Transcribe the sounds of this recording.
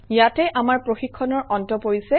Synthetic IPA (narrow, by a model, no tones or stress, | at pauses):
jatɛʔamaɹpɹoxikʰːɔnɔɹʔɔntɔpoɹisɛ